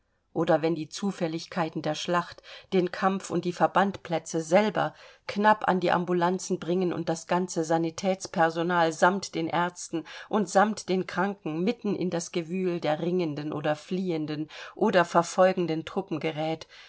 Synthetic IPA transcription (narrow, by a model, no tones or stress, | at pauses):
ʔoːdɐvɛndiːt͡suːfɛlɪçkʰaɪtn̩deːɐʃlaχtd̥eːnkʰamfʊ̰ntd̥iːfɛɐbantpʰlɛt͡səzɛlbɐ̰knapa̰ndiːʔa̰mbulant͡sn̩bʁɪŋənʊ̰nt̚d̥asɡ̥ant͡səzanitʰɛːt͡spʰɛɐzonaːlzamtd̥eːnʔɛɐt͡stn̩ʔʊntz̥amtd̥eːnkʁ̥aŋkŋ̩mɪtn̩ʔɪ̰ndasɡ̥əvyːldeːɐʁɪŋəndənʔo̰ːdɐfliːəndənʔoːdɐfɛɐfɔlɡŋ̩dəntʁ̥ʊpm̩ɡəʁɛːt